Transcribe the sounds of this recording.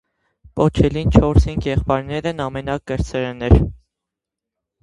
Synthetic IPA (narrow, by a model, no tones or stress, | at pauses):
pɔt͡ʃʰɛlint͡ʃʰɔɾsinkjɛχpɑɾnɛɾɛnɑmɛnɑkɡəɾt͡sʰɛɾɛnɛɾ